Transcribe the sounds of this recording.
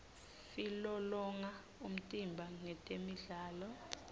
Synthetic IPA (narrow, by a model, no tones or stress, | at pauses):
silɔlɔŋa | um̩tʼimbʱaŋɛtʼemiɮaːlɔ